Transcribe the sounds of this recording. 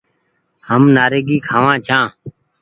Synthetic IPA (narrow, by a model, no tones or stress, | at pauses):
həmnaːɾeːɡiːkʰaːʋãːt͡ʃʰãː